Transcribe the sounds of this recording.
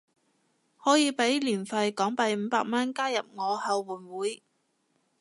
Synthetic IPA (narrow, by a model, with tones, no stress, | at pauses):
hɔː˨˥jiː˨˧pe˨˥jliː˨˩nfɐ˧jkɔː˨˥ŋpɐ˧jm̩ː˨˧paː˧k̚mɐ˥nkaː˥jɐ˨p̚ŋɔː˨˧hɐ˧wwuː˨˩nwuː˨˥j